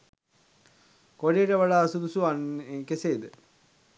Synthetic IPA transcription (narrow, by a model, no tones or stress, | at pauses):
koɖijəʈəʋɐɭaːsud̪usuankeseːd̪ə